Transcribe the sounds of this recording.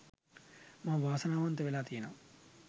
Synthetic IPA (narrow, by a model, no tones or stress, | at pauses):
maːʋaːsɐnaːʋɐnt̪ɐʋelaːt̪iːɐnɐm